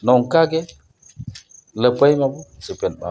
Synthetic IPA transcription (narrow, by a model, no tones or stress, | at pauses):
noŋkaɡe | ləpajimabusipenba̰